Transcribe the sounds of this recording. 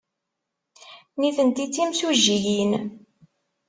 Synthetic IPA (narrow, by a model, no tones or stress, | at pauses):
niθənt̪it͡sːimsuʒːijin